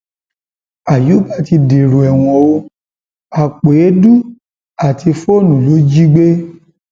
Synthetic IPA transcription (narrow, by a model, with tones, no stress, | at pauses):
a˨ju˨˦ba˦˨ti˧de˨ɾo˨ɛ˨w̃ɔ̃˧o˧˦ | a˨k͡pe˨e˨˦du˦ | a˨ti˧fo˦˨nũ˨lo˨˦d͡ʒi˦ɡ͡be˦